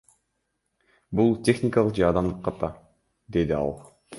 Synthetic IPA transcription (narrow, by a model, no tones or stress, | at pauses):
bulˠtʲe̞xnʲɪkɑlˠəqd͡ʒeɑd̪ɑmd̪ɯqʰːɑt̪ɑ | d̪e̞d̪iɑ̰lˠ